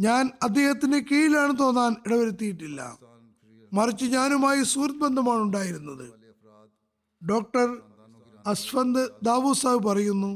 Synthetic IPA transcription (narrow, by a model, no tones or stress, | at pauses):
ɲaːnɐd̪ʱːe̞ːhɐt̪ːindekejilaːɳɨt̪̬o̞ːnːaːniɽɐʋɐɾut̪ːijiʈːilːɐ̰ | mɐrit͡ɕːɨɲaːnumaːjisuːrt̪̚bend̪ʱɐmaːɳuɳɖaːjiɾunːɐðɨ̰ | ɖo̞ːk̚ʈɐr | ɐsfɐnd̪ɨd̪aːʋuːsaːʋɨpɐrɐjunːu